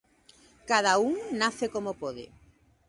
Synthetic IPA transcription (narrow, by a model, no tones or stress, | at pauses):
kaðauŋnaθekomopoðḛ